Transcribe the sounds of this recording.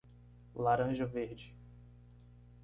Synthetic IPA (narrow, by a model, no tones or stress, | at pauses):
laɾɐ̃ʒɐveɾd͡ʒɪ